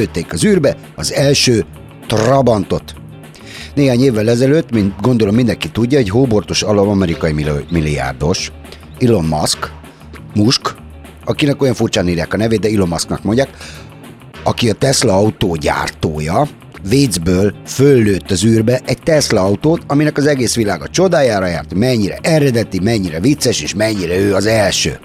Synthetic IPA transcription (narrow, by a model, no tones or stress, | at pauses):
øːt̪ːeːkɒzyːrbɛ | ɒzɛlʃøː | t̪rɒbɒnt̪o̞t̪ | neːɦaːɲeːvːɛlɛzɛløːt̪ːminɡo̞nd̪olo̞mːind̪ɛŋkit̪ːuɟːɒɦoɟɦoːbo̞rt̪oʃɒlomɒmɛɾikɒjimimilːija̰ːrd̪o̞ʃ | ilo̞mmɒ̰sk | muʃk | ɒkinɛko̞jɒɱfurt͡ʃaːniːrja̰ːkɒnɛveːd̪ɛilo̞mːɒsknɒkmo̞ɲɟjaːk | ɒkiɒt̪ɛslɒɒut̪oːɟa̰ːrt̪oːjɒ | veːd̪zbøːlfølːøːt̪ːɒzyːrbɛʔɛɟ̚t̪ɛslɒɒut̪oːt̪ɒminɛkɒzɛɡeːsʋilaːɡɒt͡ʃo̞d̪aːjaːɾɒjaːrt̪mɛɲːiɾɛ̰ʔɛɾɛd̪ɛt̪imɛɲːiɾɛvit̪sːɛʃeːʃmɛɲːiɾɛøːɒzɛlʃø̰ː